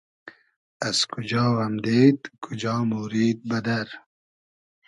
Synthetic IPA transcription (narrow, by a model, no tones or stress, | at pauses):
azkʰʊd͡ʒɑːwamd̪eːd̪kʰʊd͡ʒɑːmuɾiːd̪̚bɐd̪aɾ